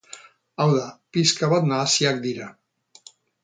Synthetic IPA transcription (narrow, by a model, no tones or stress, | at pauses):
awðapiskaβad̪naːsjak̚d̪iɾa